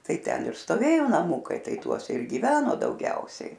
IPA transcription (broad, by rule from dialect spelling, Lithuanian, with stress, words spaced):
ˈtɐɪ ˈtʲɛn ɪr stoːˈʋʲeːjoː nɐˈmuːkɐɪ ˈtɐɪ ˈtuɔsʲɛ ɪr ɡʲɪˈʋʲæːnoː dɐʊˈɡʲɛʊsʲɛɪ